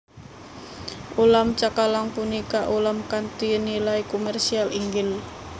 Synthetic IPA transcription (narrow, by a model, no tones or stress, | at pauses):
ʔulamt͡ʃakalaŋpunikaʔulamkant̪inilaikomɛrsialiŋɡɪl